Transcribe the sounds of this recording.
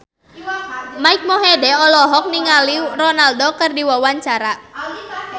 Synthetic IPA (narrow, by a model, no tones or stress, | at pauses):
maik̚mɔɦedɛɔlɔɦɔk̚niŋalirɔnaldɔkərdiwawaɲt͡ʃaɾa